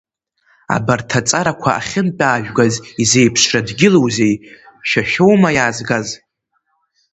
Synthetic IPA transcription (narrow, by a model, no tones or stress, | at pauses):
a̰bartʰat͡sʼaɾakʷʰaa̰χʲɪnpʲʼaːʒᶣɡazize̞jpʰʂradɡʲɪlo̞wze̞j | ʃᶣaʃᶣo̞wmajaːzɡaz